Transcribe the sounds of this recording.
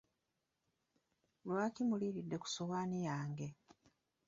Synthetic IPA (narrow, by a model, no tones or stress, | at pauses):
lwaːkimuliɾidːe̞ku̥soɣaːnijaːŋɡe̞